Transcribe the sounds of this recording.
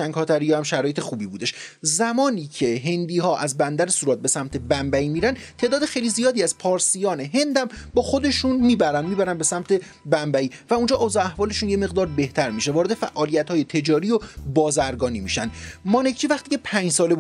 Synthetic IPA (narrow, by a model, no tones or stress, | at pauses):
æŋɡhɒːt̪ʰæɾijæmʃæɾɒːjee̞xuːbiːbuːd̪e̞ʃzæmɒːniːcʰe̞ɦe̞nd̪iːɦɒːʔæzbænd̪æɾesuːɾɒːt̪̚be̞sæmt̪ʰe̞bæmbæiːmiːɾænd̪t̪ʰe̞ːd̪ɒːd̪exe̞jlizijɒːd̪iːæz̥pʰɒːɾsijɒːne̞ɦe̞nd̪æmbɒːxo̞d̪e̞ʃunmiːbæɾænd̪miːbæɾænbe̞sæmt̪ʰe̞ | bæmbæiːvæund͡ʒɒːʔːzɒæhvɒːle̞ʃuːnje̞me̞ɣd̪ɒːɾbe̞ht̪ʰæɾmiʃe̞vɒːɾe̞d̪e̞fæ̰ʔɒːlijæt̪hɒːje̞t̪ʰe̞d͡ʒɒːɾiːobɒːzæɾɡɒːniːmiʃænd̪mɒːnecʰt͡ʃʰiːvæχt̪iːcʰepʰæɲd͡ʒsɒːle